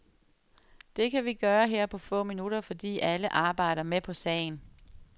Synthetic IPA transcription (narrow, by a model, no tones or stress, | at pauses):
d̥e̝kʰæʋiɡ̥ɶːɐɦeɐ̰pʰɒ̽fɔ̰̽ːminuɾɐfɒ̽d̥ḭːʔæləʔɑ̈ːb̥ɑ̈ɪ̰ɾ̥ɐmepʰɒ̽sɛ̰ɪn̩